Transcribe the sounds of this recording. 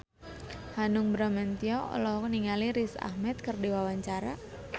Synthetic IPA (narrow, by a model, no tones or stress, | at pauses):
hanʊŋbɾamant̪iɔɔ̰lɔɦɔkniŋaliɾisa̰hmɛt̪̚kərdiwawaɲt͡ʃaɾa